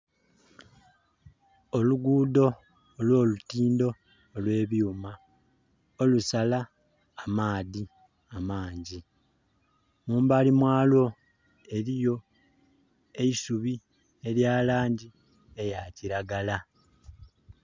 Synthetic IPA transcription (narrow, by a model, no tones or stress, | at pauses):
o̞luɡuːdo̞ː | lwo̞ːlutiːndo̞ː | lwe̞ːβjuːma | olusalaː | maːði | amaːɲɟi | muːmbalimwaːlo̞ | e̞ɾijo̞ | e̞isuβi | e̞ɾjaːlaːɲɟi | e̞jaciɾaɡala